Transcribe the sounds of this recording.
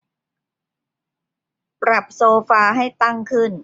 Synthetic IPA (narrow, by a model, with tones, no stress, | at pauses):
pɾa˨˩p̚soː˧faː˧ɦa˥˩jt̪a˥˩ŋkʰɯ˥˩n